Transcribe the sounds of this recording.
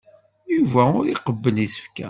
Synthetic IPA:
juvæʊɾiqəbːənisə̥fkæ̰

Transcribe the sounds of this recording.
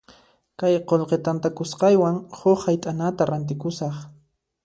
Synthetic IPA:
kajqolqet̪ant̪akʊsqɑjwaŋhoχhajt̪ʼanat̪aɾant̪̬ɪkʊsɑχ

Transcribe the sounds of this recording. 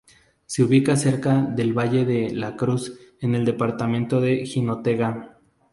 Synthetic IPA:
seuβikase̞ɾkaðe̞lβaʝe̞ðe̞lakɾuse̞ne̞ld̪e̞paɾt̪amẽ̞nt̪o̞ðe̞xino̞t̪e̞ɣa

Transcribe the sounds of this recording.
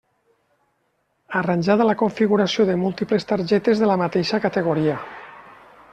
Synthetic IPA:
aranʲʒaðəlakoɱfiɣuɾasioðemulˠt̪iplest̪aɾʒɛt̪ezðelamat̪eʃakat̪eɣ̞oɾia

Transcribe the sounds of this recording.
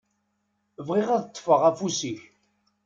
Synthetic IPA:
vʁɪʁæðət̪ˤːfəʁæfusiç

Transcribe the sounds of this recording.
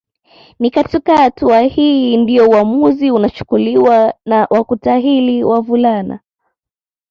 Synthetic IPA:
nikatikahatuahiːndijɔuamuziunat͡ʃu̥kuliwanawʔakutaɦiliwavulana̰

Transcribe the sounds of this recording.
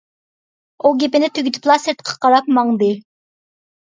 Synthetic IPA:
uɡʲepɪnɪt̪ʰøɡʲt̪ʰy̥plˠɑseɾt̪ə̥qʰɑ̥qɑɾɑp̚mɑŋd̪ɨ

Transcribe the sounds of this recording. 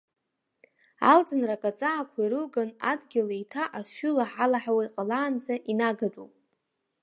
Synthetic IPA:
a̰ld͡zɨnrakʼat͡sʼaakʷʰaiɾɨlɡanadɡʲɪlaitʰaʔaʃulaħalaħawaiqʼalaːnd͡zaʔinaɡadupʼ

